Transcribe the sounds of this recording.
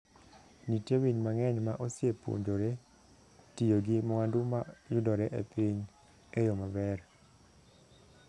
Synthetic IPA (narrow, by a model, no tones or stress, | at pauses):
nitjewiɲmaŋɛɲmaʔosiepo̰ɲd͡ʒoɾe | tijoɡimɔandʊmajʊdɔɾeʔepiɲ | ejomabɛɾ